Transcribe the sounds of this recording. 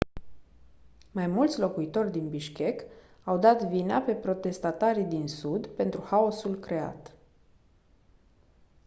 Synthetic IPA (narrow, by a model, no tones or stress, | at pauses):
majmult̪sʲlo̞kuit̪o̞rʲd̪inbiʃkʲe̞k | awd̪at̪vineape̞pɾo̞t̪e̞st̪at̪aɾid̪insud̪pe̞nt̪ɾuxao̞sulkɾe̞a̰t̪